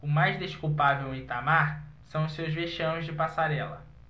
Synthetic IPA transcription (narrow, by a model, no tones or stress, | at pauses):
ʊmajzd̪eʃkuwpavewẽt̪amaɾsɐ̃w̃ʊsewzveʃɐ̃w̃zd͡ʒɪpasaɾɛlɐ